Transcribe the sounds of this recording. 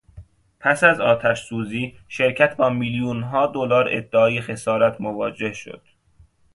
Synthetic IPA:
pʰæsæzɒːt̪ʰæʃsuːziːʃe̞ɾcʰæt̪ʰbɒːmiljuːnɦɒːd̪olɒːɾḛd̪ːeɒːjexe̞sɒːɾæt̪ʰmovɒːd͡ʒe̞hʃo̞̰d̪̥

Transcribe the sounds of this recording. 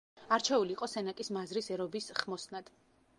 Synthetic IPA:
aɾt͡ʃʰɛuliːqʼɔsɛnakʼismazɾisɛɾɔbisχmɔsnad̪̥

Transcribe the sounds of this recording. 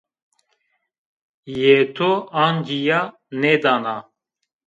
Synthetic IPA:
jet̪ʰoaːnd͡ʒija | ned̪aːna

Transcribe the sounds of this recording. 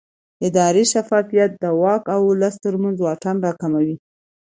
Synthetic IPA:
ɪd̪ɑɾiʃafɑfijat̪̚d̪əwɑkawʊləst̪əɾmanzwɑʈanɾɑkamawi

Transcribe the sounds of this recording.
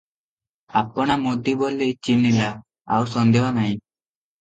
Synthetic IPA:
apɔɽ̃amod̪ʱibolet͡ʃinːila | a̰wsɔnd̪eɦɔnaɦĩ

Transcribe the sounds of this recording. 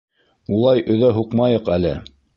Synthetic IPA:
ulˠɑjʔɵ̆ðæɦuqmɑjɤqælɘ

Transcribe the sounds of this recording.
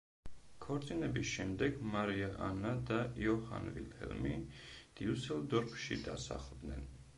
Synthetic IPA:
kʰɔɾt̪sʼinɛbisʃɛmd̪ɛɡmaɾiaʔanad̪aiɔha̰nvḭlhɛ̰lmid̪̥iusɛld̪ɔɾkʃḭd̪a̰sa̰χlˠd̪nɛ̰n

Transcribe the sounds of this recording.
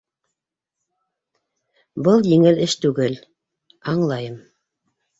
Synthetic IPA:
bɤlˠjɘ̆ŋɘlɘʃt̪ʉɡɘl | ɑɴlˠɑjɤm

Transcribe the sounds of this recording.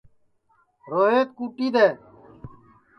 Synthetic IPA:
ɾoːɦeːt̪kuːʈiːd̪eː

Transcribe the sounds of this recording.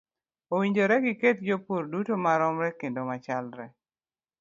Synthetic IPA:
owiɲd͡ʒoɾɛɡɪketd͡ʒopoɾdutomaɾɔmɾɛkendomat͡ʃalɾɛ

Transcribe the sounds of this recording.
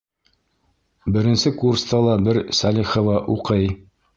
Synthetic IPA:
bɘ̆ɾɘ̆nsɘkurst̪ɑlˠɑbɘɾsælʲiχŏvɑʔuqɤj

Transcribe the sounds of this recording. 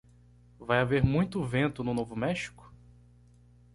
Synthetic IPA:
vajaveɾmũj̃t̪ʊvẽnt̪ʊnʊnovʊmɛʃi̥kʊ̥

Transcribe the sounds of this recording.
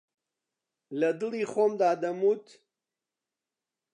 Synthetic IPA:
lɐd̪ɨliχomd̪aːd̪ɐmut̪

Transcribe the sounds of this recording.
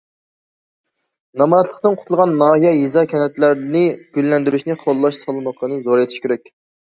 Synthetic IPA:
nɑmɑnɛt̪ʰlˠəqt̪ɨnqʰʊ̥t̪ulˠʁɑnːɑːɦijɛjizɑkʲʰɛnɛt̪læɾnɨɡ̥ʲylːɛnd̪yɾyʃnɪχʰolˠːɑʃsɑlˠɨmɑqənɨzoɾet̪ʰi̥ʃkʲʰeɾɛk̚ʲ

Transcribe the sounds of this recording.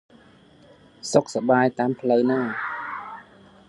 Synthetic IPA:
sok̚saɓaːjt̪aːmpʰləwnaː

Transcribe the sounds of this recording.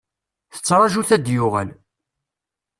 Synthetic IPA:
θə̥t͡sːɾˤɑʒuθæd̪jʊʁæl

